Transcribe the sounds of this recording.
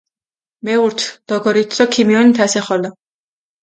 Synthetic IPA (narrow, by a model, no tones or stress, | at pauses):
mɛuɾt̪ʰd̪̥ɔɡɔɾit̪sɔkʰimiɔnit̪ʰasɛχɔlɔ